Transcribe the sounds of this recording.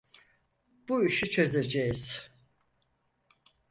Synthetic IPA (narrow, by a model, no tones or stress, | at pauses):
b̥uiʃit͡ʃʰø̞zed͡ʒejiz̥